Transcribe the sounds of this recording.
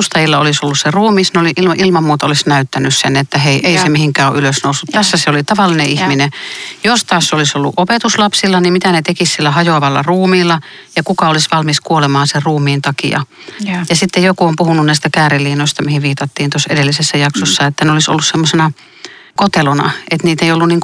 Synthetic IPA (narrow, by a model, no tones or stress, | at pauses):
ust̪ɑjilːɑolisolːusseruːmiːsnoliʔilmɑʔilmɑmmuːt̪ɑolisnæyt̪ːænyssenet̪ːæheiʔeisemihiŋkæːoʔyløsnousːut̪t̪æsːæseolit̪ɑʋɑlːineʔihminejost̪ɑːsːeolisolːṵʔopet̪uslɑpsilːɑnimmit̪ænet̪ekissilːæhɑjoʋɑlːɑ̰ruːmiːlːɑ | jɑkukɑolisʋɑlmiskuolemɑːnserruːmˑiːnt̪ɑkḭɑ̰ | jɑsit̪ːejokuompuhununnæˑist̪ækæːrelːiːnoist̪ɑmihiʋiːt̪ɑt̪ːiːnt̪osḛdelːisesːæjɑksosːɑet̪ːæneoliso̰lːussemːosenɑ | kot̪elonɑ̰ʔet̪niːt̪eiolːunniːŋk